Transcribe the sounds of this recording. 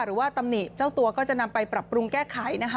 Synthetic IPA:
ɾɯː˩˦waː˥˩t̪a˧mni˨˩t͡ɕa˥˩wt̪u˧ɐkɔː˥˩t͡ɕa˨˩ʔna˧mpa˧jpɾa˨˩pːɾu˧ŋkɛː˥˩kʰa˩˦jna˦˥kʰa˦˥

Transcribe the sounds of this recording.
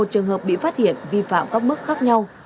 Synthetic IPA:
o˨˩t̚t͡ɕɨ˨˩əŋhə˨˩p̚ɓḭ˧˨faː˦˥t̚hḭ˧˨ənvi˧fa̰ː˧˨mkaː˦˥k̚mɨ˦˥k̚xaː˦˥k̚ɲa˧w

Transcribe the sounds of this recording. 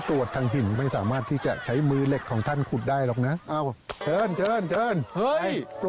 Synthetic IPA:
t̪ɾu˨˩ət̪ʰːaː˧ŋɦi˨˩˦nma˥˩jsaː˩˦maː˥˩t̪ʰːiː˥˩t͡ɕa˨˩t͡ɕʰa˦˥jmɯː˧le˨˩kʰːɔː˩˦ŋt̪ʰa˥˩nkʰu˨˩t̪̚daː˥˩jlɔː˨˩k̚na˦˥ʔa˧˩t͡ɕʰɤː˧˥˩nt͡ɕʰɤː˧˥˩nt͡ɕʰɤː˧˥˩nhɤ˥˩˧

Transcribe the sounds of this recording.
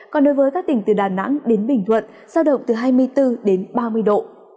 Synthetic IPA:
kɔ˨˩nɗo˨˦jvəː˨˦jkaː˦˥k̚t̪ï˧˩ŋt̪ɨ˨˩ɗaː˨˩na̰˧˥ŋɗe˨˦nɓï˨˩ŋ̟t̪ʰwə̰˧˨n | zaː˧wɗə̰˧˨wŋ͡mt̪ɨ˨˩ɦaː˧jmɨ˧əjt̪ɨ˧ɗe˨˦nɓaː˧mɨ˧əjɗo̰˧˨

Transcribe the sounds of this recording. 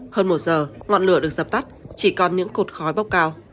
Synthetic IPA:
həː˧nmo˨˩t̚zəː˨˩ŋɔ̰˧˨nlɨ˧˩əɗɨ˨˩ək̚zə˨˩p̚t̪a˦˥t̚t͡ɕi˧˩kɔ˨˩nɲɨ̰˧˥ŋko˨˩t̚xɔ˨˦jɓa˦˥wk͡p̚kaː˧w

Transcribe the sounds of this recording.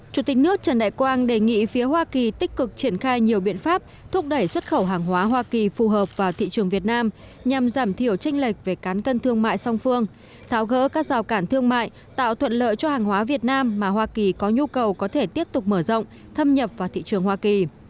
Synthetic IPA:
t͡ɕu˧˩t̪ï˨˩nɨ˦˥ək̚t͡ɕə˨˧˩nɗa̰ː˧˨jkwaː˧nɗe˧˨˩ŋḭ˧˨fi˨˦əɦwaː˧ki˨˩t̪ï˦˥k̟̚kɨ˨˩k̚t͡ɕi˧˩ənxaː˧jɲi˨˩əwɓḭ˧˨ənfaː˦˥p̚ | t̪ʰʊ˦˥k͡p̚ɗə˧˩jswə˦˥t̚xə˧˩wɦaː˨˩ŋɦwaː˨˦ɦwaː˧ki˨˩fu˨˩ɦəː˨˩p̚vaː˨˩wt̪ʰḭ˧˨t͡ɕɨ˨˩əŋvi˨˩ət̚naː˧m | ɲa˨˩mzaː˧˩mt̪ʰi˧˩əwt͡ɕa˧jŋ̟lə˨˩k̟̚ve˨˩kaː˨˦nkə˧nt̪ʰɨ˧əŋma̰ː˧˨jsa˧wŋ͡mfɨ˧əŋ | t̪ʰaː˨˦wɣə̰ː˧˥kaː˦˥k̚zaː˨˩wkaː˧˩nt̪ʰɨ˧əŋma̰ː˧˨j | t̪a̰ː˧˨wt̪ʰwə̰˧˨nlə̰ː˧˨jt͡ɕɔ˧haː˨˩ŋwaː˨˦vi˨˩ət̚naː˧mːaː˨˩ɦwaː˧ki˨˩kɔ˨˦ɲu˧kə˨˩wkɔ˨˦t̪ʰe˧˩t̪i˦˥əp̚t̪ʊ˨˩k͡p̚məː˧˩zə̰˧˨wŋ͡m | t̪ʰə˧mɲə˨˩p̚vaː˨˩wt̪ʰḭ˧˨t͡ɕɨ˨˩əŋhwaː˧ki˨˩

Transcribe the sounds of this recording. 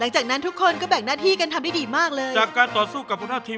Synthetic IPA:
la˩˦ŋt͡ɕaː˨˩k̚na˦˥nt̪ʰu˥kʰːo˧nkɔː˥˩bɛ˨˩ŋnaː˥˩t̪ʰiː˥˩ka˧nt̪ʰa˧mda˥˩diː˧maː˥˩k̚lɤː˧jt͡ɕaː˨˩k̚ːaː˧nt̪ɔː˨˩suː˥˩ka˨˩pʰːu˧˥tʰaː˥˩t̪ʰiː˧m

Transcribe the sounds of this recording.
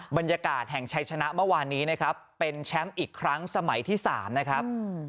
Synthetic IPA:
ba˧njaː˧kaː˨˩t̪̚hɛ˨˩ŋt͡ɕʰa˧jt͡ɕʰa˧na˦˥ʔmɯ˥˩waː˧nːiː˦˥na˦˥kʰɾa˦˥pːe˧nt͡ɕʰɛ˦˥mʔiː˨˩kʰɾa˦˥ŋsa˧ma˩˦jt̪ʰiː˥˩sa̰ː˩˦mna˦˥kʰɾa˦˥p̚

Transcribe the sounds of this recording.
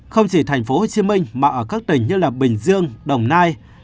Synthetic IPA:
xə˧wŋ͡mt͡ɕi˧˩t̪ʰɛ˨˩jŋ̟fo˨˦ho˨˩t͡ɕi˨˦mï˧ŋ̟maː˨˩ʔəː˧˩kaː˦˥k̚t̪ï˨˩ŋ̟ɲɨ˧laː˨˩ɓï˨˩ŋ̟zɨ˧əŋɗə˨˩wŋ͡mnaː˧j

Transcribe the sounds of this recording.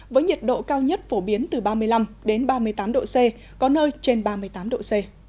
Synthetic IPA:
vəː˨˦jɲi˨˩t̚ɗo̰˧˨kaː˧wɲə˦˥t̚fo˧˩ɓi˨˦ənt̪ɨ˨˩ɓaː˧mɨ˧əjla˧mɗe˨˦nɓaː˧mɨ˧əjt̪aː˨˦mɗo̰˧˨se˧ | kɔ˨˦nəː˧jt͡ɕe˧nɓaː˧mɨ˧əjt̪aː˨˦mɗo̰˧˨se˧

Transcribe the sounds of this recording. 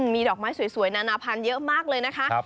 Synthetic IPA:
miː˧dɔː˨˩k̚maː˦˥jsu˨˩˦jsu˨˩˦əjnaː˧naː˧pʰa˧njɤ˦˥ʔmaː˥˩k̚lɤː˧jna˦˥kʰa˦˥ʔ

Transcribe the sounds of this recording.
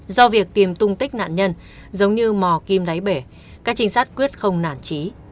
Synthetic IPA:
zɔ˧vi˨˩ək̚t̪i˨˩mt̪ʊ˧ŋ͡mt̪ï˦˥k̟̚na̰ː˧˨nɲə˧n | zə˨˦wŋ͡mɲɨ˧mɔ˨˩ki˧mɗa˨˦jɓe˧˩ | kaː˦˥k̚t͡ɕï˧ŋ̟saː˦˥jt̚kwi˦˥ət̚xə˧wŋ͡mnaː˧˩nt͡ɕi˨˦

